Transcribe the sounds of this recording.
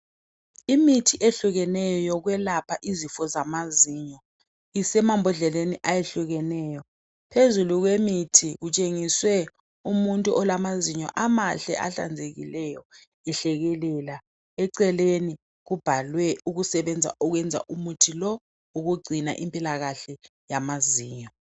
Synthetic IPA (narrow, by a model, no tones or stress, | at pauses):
imitʰiʔeɬuɣɛnɛjɔjɔɣwɛlapʰaʔizifɔzamaziːɲɔ | isɛmambʱɔɮɛleniʔajeɬuɣɛnɛːjɔ | pʰezuluɣwemitʰiɣut͡ʃʼeŋiswɛ | umuntʼuʔɔlamaziɲɔ̰ʔamaɬɛ̰ʔaɬa̰nd͡zʱeɣḭlɛjɔ | ɛɬɛɣɛlɛla | ɛǀɛleni | ɣub̥ʱalwɛuɣusɛβɛnd͡zʱa̰ʔuɣwɛnd͡zʱa̰ʔumutʰilɔ | uɣuɡ͡ǀʱina̰ʔimpʼilaɣaɬɛ | jamaziːɲɔ